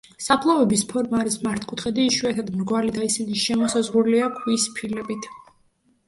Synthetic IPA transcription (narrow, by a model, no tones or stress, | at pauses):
sapʰlˠavɛbispʰɔɾmaɾismaɾt̪ʰkʼut̪χɛd̪iːʃuɛt̪ʰad̪mɾɡwalid̪ʰaisiniʃɛmɔsazʁuliakʰwispʰilɛbit̪ʰ